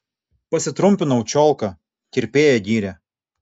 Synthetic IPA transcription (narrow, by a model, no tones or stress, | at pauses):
pɐsʲɪt̪ɾʊmʲpʲɪnɐʊt͡ʃʲɔːˑlˠˑkɐ | kʲɪɾʲpʲeːjɛd̪ʲiːɾʲɛ